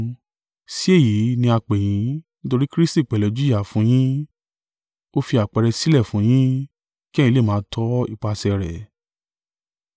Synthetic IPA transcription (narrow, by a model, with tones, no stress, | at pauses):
si˦e˦˨ji˨˦nĩ˧a˧k͡pe˨j̃ĩ˨˦nĩ˦to˧ɾi˦kɾi˦sti˦˨k͡pɛ˨lɛ˨˦d͡ʒu˦a˨fũ˨˦j̃ĩ˦ | o˦fi˧a˨k͡pɛ˨˧ɾɛ˧si˦lɛ˦˨fũ˨˦j̃ĩ˦ | ki˦jĩ˧˦le˦˨mãː˨˦tʰɔ˦i˦˨k͡pa˧sɛ˧ɾɛ˨˦